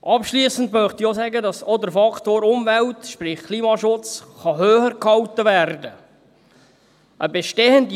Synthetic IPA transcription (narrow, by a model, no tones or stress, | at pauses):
ʔɑpʃliːsəntmœχt̪iosæɡədɑsɔd̪əɾfɑktoːɾʊmvɛltʃprɪχkʰliːmɑʃʊt͡sχɑɦøːχəɾkhɑltəʋærdə | ʔəbeʃteːənd